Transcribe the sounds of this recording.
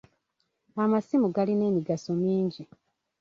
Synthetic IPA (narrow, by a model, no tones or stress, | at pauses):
amasimuɡaline̞ːmiɡaso̞miːɲɟi